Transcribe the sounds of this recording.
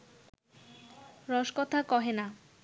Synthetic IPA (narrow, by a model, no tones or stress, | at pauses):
ɾɔʃkɔt̪ʰakɔɦena